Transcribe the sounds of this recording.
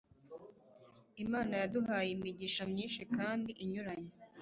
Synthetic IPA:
imaːnajaduhaːjimiɟiʃamɲiːnʃikaːndiʔiɲuɾaɲe

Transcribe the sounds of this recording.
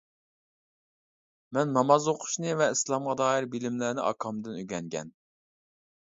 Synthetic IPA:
mɛnmɑmɑzoqʰʊ̥ʃnɨvɛislˠɑmʁɑd̪ɑːɪɾbilɪmlæɾnɪʔɑ̰kʰɑmd̪ɨnyɡʲɛŋɡʲɛ̰n

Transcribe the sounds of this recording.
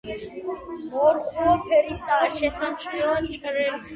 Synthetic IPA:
mɔɾχuɔpʰɛɾisaɾʃɛsamt͡ʃʰʼχɛlant͡ʃʼɾɛli

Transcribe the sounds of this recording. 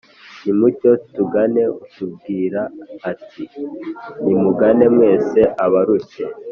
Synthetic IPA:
nimuco̞tuɡane̞utub̚ɡiːɾaːtʰi | nimuɡane̞mŋe̞ːse̞ʔaβaɾuce̞

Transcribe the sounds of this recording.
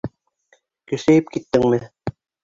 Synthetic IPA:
kɵ̆ʃæjɘpkit̪ːɘŋmɘ

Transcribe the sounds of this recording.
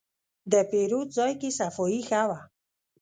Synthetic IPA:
d̪ɛpiɾut͡sɔjkisafoixawa

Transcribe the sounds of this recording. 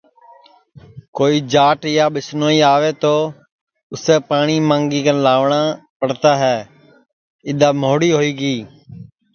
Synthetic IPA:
koːiːd͡ʒaːʈjaːɓɪsnoːiːaːʋeːt̪oː | ʊseːpaːɳ̃iːmãːŋɡiːkənlaːʋɳãːpəɽt̪aːɦɛː | ɪd̪aːmoːɽiːɦoːiːɡiː

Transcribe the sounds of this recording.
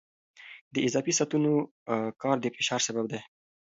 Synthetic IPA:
d̪əɪzɑfisat̪uno | kɑɾd̪əfɪʃɑɾsabab̚d̪e

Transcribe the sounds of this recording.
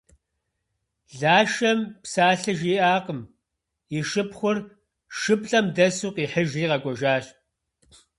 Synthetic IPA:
ɮaːʃɐmpsaːɬɨʒiːʔaːqəm | iʃɨpχʷʊr | ʃɨpɬʼɐmdɐsuːqiːħəʒiːqɐɡʷɔʒaːɕʼ

